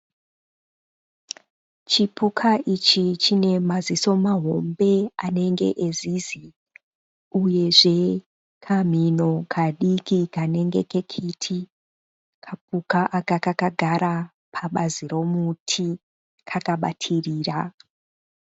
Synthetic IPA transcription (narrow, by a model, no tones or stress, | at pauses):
t͡ʃipʰukʰaʔit͡ʃit͡ʃine̞maziso̞maɦo̞mbe̞ane̞ŋɡe̞̰ʔezizi | uje̞ʐe̞ | kʰam̤ino̞kʰaɗikikane̞ŋɡe̞ke̞kʰitʰi | kʰap̚ukaʔakakakaɡʱaɾa | pʰaɓaziɾo̞mutʰi | kʰakaɓa̰tʰiriːra